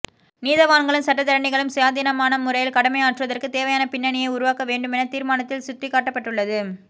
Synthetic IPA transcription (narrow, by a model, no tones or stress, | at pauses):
niːðɐʋaːɳɡɐɭɯmsɐʈːɐt̪ːɐɾɐɳːɪɣɐɭɯmsɐjaːðiːnɐmaːnɐmʊɾɐjɪlkɐɽɐmɐjaːʈrɯʋɐðɐrkɯt̪eːʋɐjaːnɐpɪnːɐɳɪjɐɪʊɾʊʋaːkɐʋeːɳɖɯmɛnɐt̪iːɾmaːnɐt̪ːɪlsʊt̪ːɪkːaːʈːɐpːɐʈːɯɭːɐðɯ